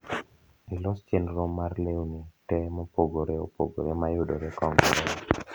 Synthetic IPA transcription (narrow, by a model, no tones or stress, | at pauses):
ilɔst͡ʃenɾomːarleunetɛmopoɡoɾeopo̰ɡo̰ɾemajʊdoɾekɔŋɡɔɾɛ